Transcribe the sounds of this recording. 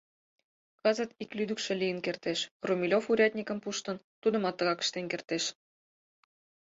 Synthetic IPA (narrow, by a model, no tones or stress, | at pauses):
kɑzə̆t̪iklyd̪əkʃĕlʲijənkert̪eʃrumʲilʲofuɾʲɑt̪̚ʲnʲikə̆mpuʃt̪ə̆nt̪ud̪ə̆mɑt̪ːɤ̆ɣɑkə̥̆ʃt̪enkert̪eʃ